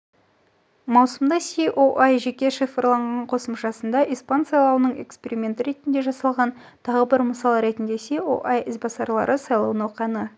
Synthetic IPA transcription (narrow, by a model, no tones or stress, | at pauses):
mɑwsəmd̪ɑseʔoʔajʒe̞kʲe̞ʃifəɾlˠɑɴʁɑɴqʰo̞səmʃɑsənd̪ɑʔijspɑnsɑjlˠɑwənəɴe̞̰kspe̞ɾimʲe̞nt̪əɾe̞t̪ɪnd̪e̞ʒɑsɑlˠʁɑn | t̪ʰɑʁəbɪɾməsɑlˠəɾe̞t̪ɪnd̪e̞seo̰ʔajʔɪzbɑsɑɾlˠɑ̰ɾʔəsɑjlˠɑwənwoqɑnə